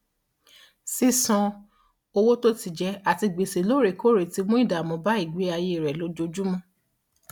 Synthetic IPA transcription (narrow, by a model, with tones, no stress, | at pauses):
si˦sɔ̃˧ | o˧wo˦to˦ti˦˨d͡ʒɛ˧˦a˨ti˧ɡ͡be˨se˨lo˦ɾe˧˨ko˦˨ɾe˨ti˧˦mũ˦i˦˨da˨mɔ̃˨˧ba˦i˦˨ɡ͡be˨˦a˧je˧˦˨ɾɛ˨lo˨˦d͡ʒo˧d͡ʒu˦mɔ̃˧˦